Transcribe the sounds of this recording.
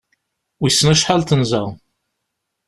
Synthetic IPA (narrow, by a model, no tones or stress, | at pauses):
wisːənæʃħalt̪ənzæ̰ʁ